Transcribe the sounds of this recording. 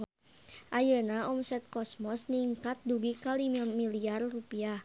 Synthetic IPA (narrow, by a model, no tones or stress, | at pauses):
ʔajənaɔmsɛt̪̚kɔsmɔsniŋkat̪̚duɡikalimamiliarrupiah